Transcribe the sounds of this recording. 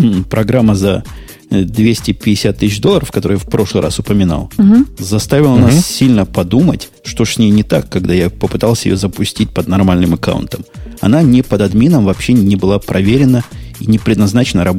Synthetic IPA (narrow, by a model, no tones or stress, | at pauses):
pɾɐɡɾamːəzɐ | d̪vʲesʲtʲɪpʲɪdʲɪsʲat̪ːɨɕd̪oəɾəfkɐt̪oɾɨjafpɾo̞ʂlˠɨɾʔa̰sʊpəmʲɪna̰lˠzɐst̪avʲɪlˠənassʲilʲnəpɐd̪umətʲ | ʂt̪oʂsʲnʲejnʲɪt̪akːɐɡ̚d̪ajapəpɨt̪alˠsʲəjɪ̰jozəpʊsʲtʲit̚ʲpəd̪nɐrmalʲnɨmɐka̰wʊ̰nt̪əmɐ̰nanʲɪpəd̪ɐd̪mʲinəmvɐpɕːenʲɪbɨlˠapɾʔɐvʲeɾʲɪnəinʲɪpɾʲɪd̪nɐznat͡ɕɪnəɾɐb